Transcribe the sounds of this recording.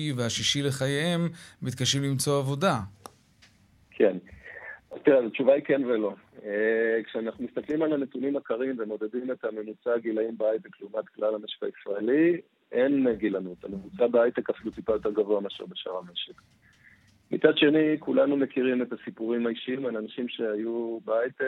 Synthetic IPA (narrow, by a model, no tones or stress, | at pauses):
iveaʃiʃile̞χajeemmit̪kaʃimlimt͡so̞avo̞da | kʰen | zt̪iʁezat͡ʃuvaikenvelo̞ekʃeanaχnumist̪aklimalane̞t̪unimakaʁimvemo̞d̪e̞dime̞t̪ame̞mut͡saːɡilaimbeajt̪ekleumat̪klalame̞ʃe̥ka̰isʁaeli | ʔe̞nɡilanut̪amemut͡sabeajt̪ekafilut̪ipajot̪eɡavoamaʃḭʁbeʃa̰ʁame̞ʃek | mḭt͡sad̪ʃe̞nikulanume̞kiʁime̞t̪asipuʁimaiʃiimalanaʃimʃe̞hajubeajt̪e